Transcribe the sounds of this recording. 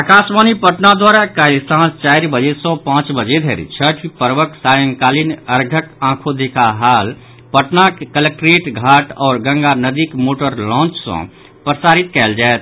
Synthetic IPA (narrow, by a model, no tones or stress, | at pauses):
əkasmanipəʈnad̪waɾakalsãːst͡ʃaiɾbəd͡ʒesɔ̃pãt͡ʃbəd͡ʒed̪ʱeɾḭt͡ʃʰəʈʰipəɾʋəksajə̃ŋɡkaːlinəɾɡʱəkãkʰod̪ekaɦal | pəʈnakkələk̚ʈɾeʈɡʱaʈɔːɾɡə̃ŋɡanəd̪ikmoʈəɾlɔ̃ːnt͡ʃsɔ̰̃ | pɾəsaɾit̪kɛld͡ʒaet̪̚ʰ